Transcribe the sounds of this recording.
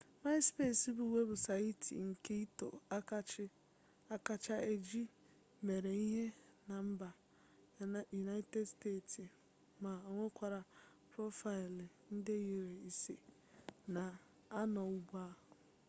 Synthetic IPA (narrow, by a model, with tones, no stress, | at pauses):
ma˦spe˦˨si˦bʊ˨we˦bʊ˨sa˨i˦tʰḭ˨ŋ̩˨ke˦i˦to̰˨˦ | a˦ka˦t͡ʃa˦e˦d͡ʒi˦ | me˨ɾe˨i˦ɦe˦na˨m̩˦ba˨ | ju˨na˦ɪ˦te˦dsteː˦˨ti˨ | ma˨o˨ŋʷe˦kʷa˨ɾa˨ | pɾo˦fa˨ɪ˨lɪ˨ | n̩˦de˦ji˨ɾe˨i˨se˨ | na˨ | a˦nɔ˨u˦ɡ͡ba˦